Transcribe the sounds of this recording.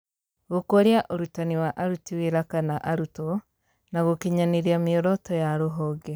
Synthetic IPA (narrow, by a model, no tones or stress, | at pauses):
ɣokoɾjaʔoɾutaniwaʔaɾutiweɾakanaʔaɾutɔ | naɣokiɲaniɾiamiɔɾɔtɔjaɾoɦɔːɡɛ